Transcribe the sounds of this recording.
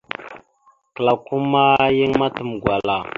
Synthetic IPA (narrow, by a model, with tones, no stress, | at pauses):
kə˨la˨ku˦ma˦ji˦ŋma˦tə˨mɡwa˨la˨